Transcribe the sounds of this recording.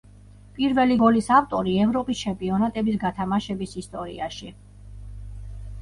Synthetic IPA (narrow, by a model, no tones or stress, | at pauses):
pʼiɾvɛliɡɔlisaft̪ʼɔɾiɛvɾɔpʼist͡ʃʰɛmpʼiɔnat̪ʼɛbisɡat̪ʰamaʃɛbisist̪ʼɔɾḭaʃi